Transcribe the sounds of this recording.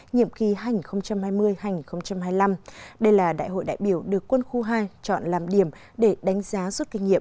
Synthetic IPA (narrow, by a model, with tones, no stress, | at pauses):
ɲḭ˧˨əmxi˨˦ɦaː˧jɲi˨˩nxə˧wŋ͡mt͡ɕa˧mhaː˧jmɨ˧əjhaː˧jŋi˨˩nxə˧wŋ͡mt͡ɕa˧mɦaː˧jla˧mɗə˧jlaː˨˩ɗa̰ː˧˨jɦo̰˧˨jɗa̰ː˧˨jɓi˧˩əwɗɨ˨˩əkːwə˧nxu˧ɦaː˧jt͡ɕɔ̰˧˨nlaː˨˩mɗi˧˩əm | ɗe˧˩ɗa˨˦ŋ̟zaː˨˦zu˦˥t̚kï˧ŋ̟ŋḭ˧˨ə˨m